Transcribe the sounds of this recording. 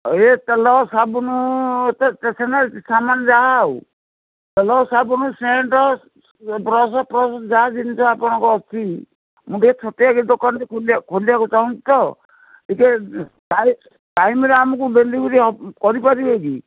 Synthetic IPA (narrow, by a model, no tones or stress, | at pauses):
et̪ɛlɔsabunut̪t̪esɛnaɾisamand͡ʒaw | t̪ɛlɔsabunuseɳʈɔ | pɾɔsɔpɾɔsɔd͡ʒad͡ʒint͡ʃʰɔapɔɽ̃ɔ̃ŋkɔɔt͡ʃʰi | muʈet͡ʃʰɔt̪eakid̪okanɾekʰolkʰoliakut͡ʃaɦũnt͡ʃi̥t̪ɔ | ike | ʈaj | ʈajmɾeamɔkudelibuɾikɔɾipaɾieɡi